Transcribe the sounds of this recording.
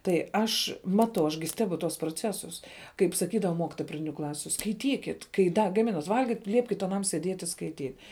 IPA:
tɐɪ ˈɐʃ ˈmɑːtɐʊ ɐʃ ɡʲɪ ˈsʲtʲæːbʊ tuɔs proːˈt͡sʲæːsʊs kɐɪp sɐˈkʲiːdɐʋɐ ˈmoːkʲɪtoːjɛ prɐˈdʲɪnʲʊ ˈklˠɑːsʲʊ skɐɪˈtʲiːkʲɪt kɐɪ ˈdɐ ɡɐˈmʲɪnɐt ˈʋɐlʲɡʲɪt ˈlʲiɛpʲkʲɪt ɐˈnɐm sʲiɛˈdʲiɛtʲ ɪ skɐɪˈtʲiːtʲ

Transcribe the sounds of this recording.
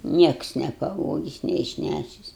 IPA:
ˈnʲiɛks nʲɛpɐˈʋoːɡʲɪs nʲɛɪʃʲˈnʲæʃʲɪs

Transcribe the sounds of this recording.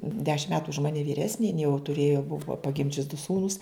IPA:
ˈdʲæːʃʲɪm ˈmʲæːtʊ ʊʃ ˈmɑːnʲɪ ʋʲiːˈrʲæːsʲnʲɪ jɪn jɛʊ tʊˈrʲeːjoː ˈbʊʋoː pɐˈɡʲɪmʲd͡ʒʲʊs dʊ ˈsuːnʊs

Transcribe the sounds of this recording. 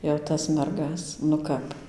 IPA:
jɛʊ ˈtɐs ˈmʲɛrɡɐs nʊ ˈkɐp

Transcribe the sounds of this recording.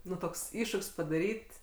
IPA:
ˈnʊ ˈtoːks ˈɪʃʃʊkʲsʲ pɐdɐˈrʲiːtʲ

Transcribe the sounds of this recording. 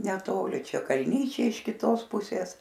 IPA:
nʲɛˈtoːlʲɪ ˈt͡ʃʲɛ kɐlʲˈnʲiːt͡ʃʲɛɪ ɪʃ kʲɪˈtoːs ˈpʊsʲeːs

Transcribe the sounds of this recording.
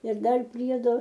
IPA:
ɪr ˈdɐr ˈpʲrʲiɛdoː

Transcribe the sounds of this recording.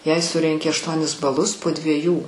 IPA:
jɛɪ ˈsʊrʲɛŋʲkʲɪ ɐʃˈtuɔnʲɪs bɐˈlˠʊs poː dʲʋʲiɛˈjuː

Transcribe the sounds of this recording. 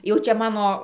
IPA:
jɛʊ ˈt͡ʃʲɛ ˈmɑːnoː

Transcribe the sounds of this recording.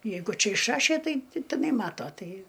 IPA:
ˈjɛɪɡʊ ˈt͡ʃʲɛ ɪʃˈrɑːʃʲeː ˈtɐɪ tʲɪ tʲɪˈnɐɪ ˈmɑːtoː ˈtɐɪ

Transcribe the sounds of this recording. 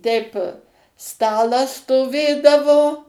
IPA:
ˈtʲɛɪp ˈstɑːlˠɐs stoːˈʋʲeːdɐʋoː

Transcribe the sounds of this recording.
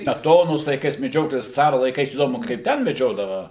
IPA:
sʲmʲɛˈtoːnoːs lˠɐɪˈkɐɪs mʲɛˈd͡ʒʲoːtoːjɛs ˈt͡sɑːrɐ lˠɐɪˈkɐɪs iːˈdoːmʊ kɐɪp ˈtʲɛn mʲɛˈd͡ʒʲoːdɐʋɐ

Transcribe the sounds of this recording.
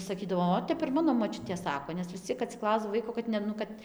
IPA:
sɐˈkʲiːdɐʋoː ˈoːt ˈtʲɛp ɪr ˈmɑːnoː moːˈt͡ʃʲʊtʲeː ˈsɑːkoː nʲɛs ʋʲɪs ˈt͡sʲiɛk ɐtʲsʲɪˈklˠɐʊzdɐw ˈʋɐɪkoː kɐt nʲɛ ˈnʊ kɐt

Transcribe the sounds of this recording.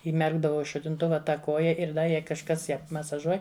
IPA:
iːˈmʲɛrɡdɐʋɐʊ ɪ ʃʊtʲɪnˈtʊʋɐ tɐ koːjɛ ɪr ˈdɐ jɛɪ kɐʃˈkɐs ˈjæː mɐsɐˈʒuɔj

